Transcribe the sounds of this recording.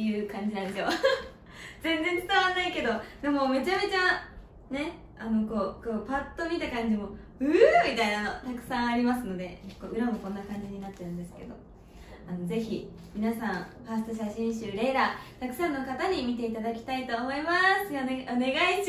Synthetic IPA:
ejɯ̟ːkãɲ̟d͡ʑinãneo | zẽ̞nzẽ̞t͡sɨ̥t̪aβanaike̞d̪o̞d̪e̞mo̞me̞t͡ɕame̞t͡ɕa | ne̞ | ano̞ko̞ːko̞ːpat̪ːo̞mʲit̪akãɲ̟d͡ʑimo̞ | ɯ̟mʲit̪ainano̞t̪akɯ̟̥sãɰ̃aɾʲimasɨno̞d̪e̞koɯ̟ɾamo̞kõ̞nːakãɲ̟d͡ʑiɲ̟inat̪ːeɾɯ̟̃nd̪e̞sɨ̥ke̞d̪o̞̰ | ano̞ze̞çi | mʲinasãɰ̃ɸast̪o̞ɕ̬aɕĩɕɨːɾe̞ːɾat̪akɯ̟sãnːo̞kat̪aɲ̟imʲit̪̬e̞it̪ad̪akʲi̥t̪ait̪o̞ːmo̞imasɨjoneone̞ɡai

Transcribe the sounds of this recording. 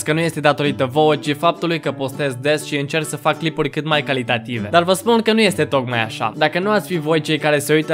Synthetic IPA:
skənuje̞st̪e̞d̪at̪o̞ɾit̪əvo̞ət͡ʃifap̚t̪ulujkəpo̞st̪e̞zd̪e̞sʃiɨnt͡ʃe̞rksəfakːlipurʲkɨt̪majkalit̪at̪ive̞̰d̪arvəspunkənuje̞st̪e̞t̪o̞kmaja̰ʃa̰d̪akənuat̪sʲfivo̞jt͡ʃe̞jkaɾe̞seujt̪ə

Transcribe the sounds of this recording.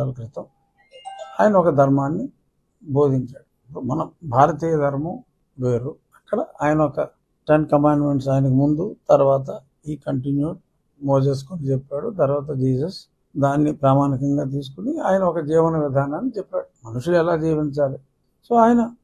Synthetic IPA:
alkɾit̪ɐm | aːjɐnɐɔkɐd̪ʱɐɾmaːnːi | bʱo̞ːd̪ʱiɲt͡ʃaːɽu | omɐnɐbʱaːɾɐt̪̬iːjɐd̪ʱɐɾmɐ | ʋeːɾu | ɐkːɐɽɐaːjɐnɐɔkɐ | ʈeɳɖkɐmaːɳɖme̞ɳʈs̬aːjɐnɐkimund̪ut̪ɐɾʋaːt̪̬ɐ | iːkɐɳʈinjuːʈ̚ | moːd͡ʒeːs̬u̥kunit͡ʃɛpːaːɽut̪ɐɾʋaːt̪̬ɐd͡ʒiːsɐs | d̪aːnːipɾaːmaːnikɐŋɡaːt̪̬iːs̬u̥kuniaːjɐnɐɔkɐd͡ʒiːʋɐnɐʋid̪ʱaːnaːnːit͡ʃɛpːaːɽumɐnuʂuluɛlaːd͡ʒiːʋiɲt͡ʃaːli | so̞ːaːjɐnɐ

